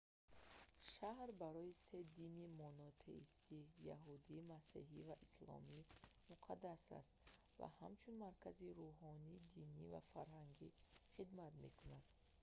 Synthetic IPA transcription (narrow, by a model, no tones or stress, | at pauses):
ʃahɾbaɾɔise̞d̪inimɔnɔt̪ʰḛist̪ija̰ɦud̪imasiɦivaʔislɔ̰mimuqʰad̪asɾa̰st̪ | va̰ha̰mt͡ʃʰunmaɾkʰaziɾuɦɔnid̪iniva̰faɾɦaŋɡiχid̪mat̪me̞kʰunad̪̥